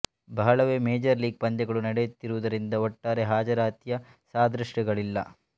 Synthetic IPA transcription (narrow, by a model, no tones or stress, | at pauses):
bɐɦɐɭɐʋeːmeːd͡ʒɐɾliːɡ̚pɐnd͡ʒ̪ɛɡɐɭunɐɽejut̪ːiɾuʋud̪ɐɾind̪ɐɔʈːaːɾeɦaːd͡ʒɐɾaːt̪jɐsaːd̪ɾɐʂʈɐɡɐɭilːɐ̰